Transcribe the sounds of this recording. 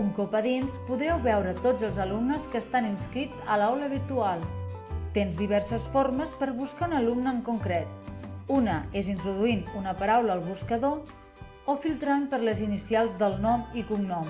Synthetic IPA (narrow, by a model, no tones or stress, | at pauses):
uŋkopəðinspuðɾɛwβɛwɾət̪od͡zəlˠzəlumnəskəst̪aninskɾid͡zə̰lawləβiɾt̪ualˠt̪enzðiβ̞ɛɾsəsfoɾməspəɾβuskaunəlumnəːŋkuŋkɾɛt̪unəezint̪ɾuðuinunəpəɾawləːlˠβuskəðo | ofilˠt̪ɾanpəɾləzinisialˠzðəlˠnɔmikuŋnɔm